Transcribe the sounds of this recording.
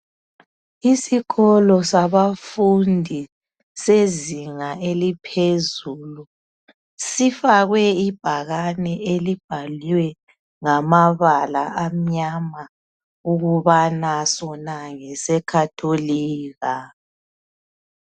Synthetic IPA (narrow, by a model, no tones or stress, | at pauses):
isiɣɔlɔsaβafundʱi | seziŋaʔelipʰezulu | sifaɣwɛib̥ʱaɣanɛelib̥ʱaliwɛ | ŋamaβalaʔam̩ɲama | uɣuβanasɔnaŋɛsɛkʰatʰoliːɣa